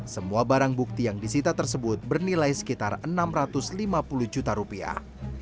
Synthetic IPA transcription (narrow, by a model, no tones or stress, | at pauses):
səmuabaɾaŋbuk̚t̪ijaŋdisit̪at̪ərsəbʊt̪̚bərnilajsə̥kit̪arənamrat̪ʊslimapulud͡ʒut̪aɾupia̰h